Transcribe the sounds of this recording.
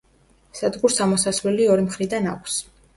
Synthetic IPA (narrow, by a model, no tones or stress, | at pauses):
sad̪ɡuɾsamɔsasvlɛliɔɾimχɾid̪anakʷʰs